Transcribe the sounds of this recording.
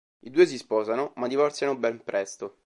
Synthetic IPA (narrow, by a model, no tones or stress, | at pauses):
id̪uːes̬ispɔːzanomad̪ːivɔrt̪sjanobɛmpɾʔɛst̪o